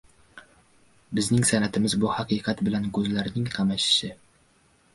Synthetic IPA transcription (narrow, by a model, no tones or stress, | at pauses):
bɪznɪŋsanat̪ʰɪmɪzbʊhaqɨqʰɑt̪bɪlankʰɵzlaɾnɪŋqʰɑmaʃɪ̥ʃɪ